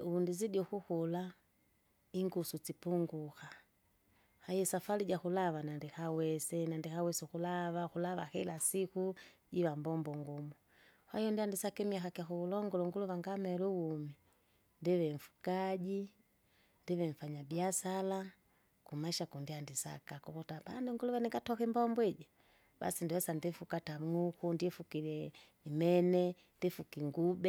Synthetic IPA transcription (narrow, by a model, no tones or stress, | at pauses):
uundizidjɔxuxula | iŋɡusut͡sipuŋɡuxa | hajɛsafaliɟaxulaʋanandihawɛsɛnandɛxawɛsɛxulaʋaxulaʋaxilasikuɟiβambɔmbɔŋɡumu | hajɔndiandisakɛmiaxakiaxuulɔŋɡɔlɔŋɡuluʋaŋɡamɛɾuwumi | ndɛʋɛɱ̩fu̥kaɟi | ndiβɛɱ̩faɲabiasala | kumaʃakundiandisa̰kakɔkɔtabandɛŋɡuluʋɛniŋɡatɔkimbɔmbwɛɟa | ba̰sindiwɛsandɛfukatamukundiɛfukilɛ | imɛnɛ | ndɛfukiŋɡubɛ